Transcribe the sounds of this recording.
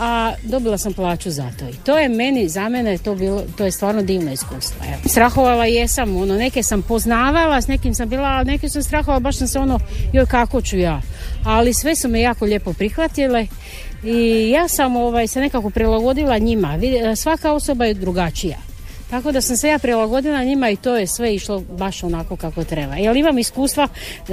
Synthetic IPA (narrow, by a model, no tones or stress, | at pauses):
ad̪o̞bilˠasamplˠaːt͡ʃuza̰t̪o̞̰it̪o̞ːje̞me̞nizamenejet̪o̞biːlˠot̪oːjest̪ʋaːɾno̞d̪iːʋnaiskuːst̪ʋa̰ḛost̪ɾaxo̞ʋalaije̞samo̞no̞ne̞kesampo̞znaːʋalasne̞kimsambiːlˠaːline̞kesamst̪ɾaxoalbaʃsamseo̞no̞jojkako̞t͡ɕujaːalisʋe̞sumejaːko̞ʎe̞po̞pɾixʋat̪ile̞ | ijaːsamo̞ʋajse̞ne̞kako̞pɾilaɡo̞d̪ilaɲimaʋid̪sʋakao̞so̞bajed̪ɾuɡat͡ʃija̰ | t̪ako̞d̪asamsejaːpɾilˠaɡo̞d̪ilˠaɲimait̪o̞ːje̞sʋe̞iʃlo̞baʃo̞nako̞kakot̪ɾe̞ba̰jelimamiskuːst̪ʋa